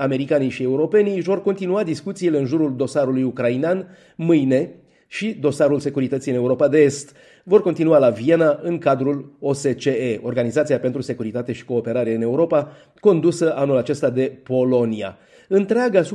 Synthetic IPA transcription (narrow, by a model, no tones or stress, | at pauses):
ame̞ɾikaniʃie̞uɾo̞pe̞nivo̞rkont̪inuad̪iskut̪siːle̞ɨnʒuɾuld̪o̞saɾulujukɾainan | mɨjne̞ | ʃid̪o̞saɾulse̞kuɾit̪ət̪sijɨne̞uɾo̞pad̪e̞est̪ | vo̞rko̞nt̪inualavie̞naɨŋkad̪ɾulo̞se̞t͡ʃe̞eo̞rɡanizat̪siape̞nt̪ɾuse̞kuɾit̪at̪e̞ʃi̥ko̞ːpe̞ɾaɾe̞ɨne̞uɾo̞pa | ko̞nd̪usəʔanːulat͡ʃe̞st̪ad̪e̞po̞lo̞nia̰ | ɨnt̪ɾeaɡaːsu